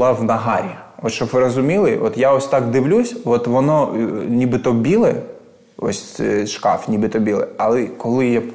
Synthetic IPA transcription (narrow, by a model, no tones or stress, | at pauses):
lˠɑʋnɐɦaɾʲiɔt̪ʃɔbʋɪɾɐzʊmʲilˠɪʔɔt̪jaɔsʲt̪ɑkd̪ɪʋlʲusʲʋɔt̪ʋɔnɔnʲibɨt̪ɔbʲilˠɛ | ɔ̰sʲʃkɑ̰fnʲibɨt̪ɔbʲilˠɛ̰ɐlˠɛkɔlˠɪja